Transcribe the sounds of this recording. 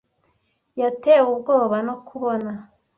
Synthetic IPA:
jateubɡo̞ːβanokʰuβona

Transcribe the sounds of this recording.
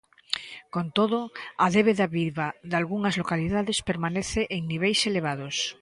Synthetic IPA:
kont̪oðoaðeβeðaβiβaðalɣuŋɐzlokaliðaðɪspeɾmaneθeʔeŋniβ̞ejseleβ̞aðos

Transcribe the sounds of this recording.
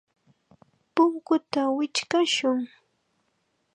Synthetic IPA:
pʊŋkʊt̪awɪt͡ʃkaʃʊŋ

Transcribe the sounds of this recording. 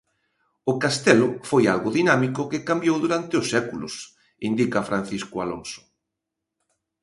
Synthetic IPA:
ʊkast̪ɛlʊfoja̰lɣʊðinamikʊkɪkambjowðuɾant̪ɪʊsːɛkulʊ̰s | ind̪ikafɾan̟θiskʊalo̰ŋsʊ̥

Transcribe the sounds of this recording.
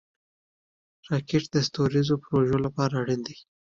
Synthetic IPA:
ɾɑkeʈd̪əst̪oɾizopɾoʒolapɑɾaɽind̪ij

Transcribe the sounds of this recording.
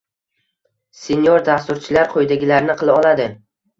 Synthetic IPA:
senjoɾd̪ast̪ʊɾt͡ʃʰɪlaɾqʰojd̪aɡʲɪlaɾnɪqʰɨlˠaɒlˠad̪ɪ

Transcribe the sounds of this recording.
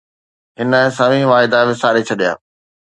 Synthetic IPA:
ɦɪnəsɐʋĩʋaːɪd̪aʋɪsaːɾet͡ɕʰɐɗija̰ː

